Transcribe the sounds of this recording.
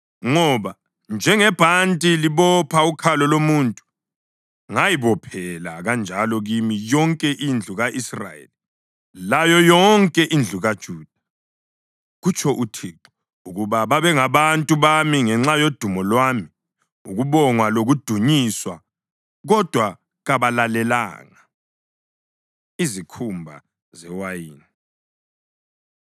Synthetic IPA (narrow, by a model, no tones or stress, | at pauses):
ŋɔβa | nd͡ʒʱɛŋɛb̥ʱantʼiliβɔpʰaukʰalɔlomuntʼu̥ | ŋajiβɔpʰɛla̰ɣand͡ʒʱalɔɣimijɔŋkʼɛʔind͡ɮʱuɣaʔisra̰jḛli | lajɔjɔŋkʼɛʔind͡ɮʱuɣad̥ʒ̥ʱuːd̥ʱa | ɣut͡ʃʰʼɔʔutʰiːǃɔ | uɣuβaβaβɛŋaβantʼuβamiŋɛŋ͡ǁajod̥ʱumɔlwami | uɣuβɔŋwaloɣud̥ʱuɲiswa | ɣɔd̥ʱwa | ɣaβalalɛla̰ːŋa | izikʰumbʱa | zɛwajiːni